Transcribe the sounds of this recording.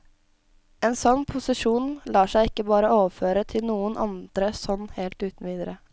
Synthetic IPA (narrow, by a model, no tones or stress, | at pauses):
eːnsɔnːpʰʊsɪʂuːnlɑːʂæɪɪkːəbɑːɾəoːʋəføːɾət̪ʰɪlnuːənʔɑ̰nd̪̥ɾəsɔnːheːlt̪ʉːt̪n̩ʋiːd̪əɾə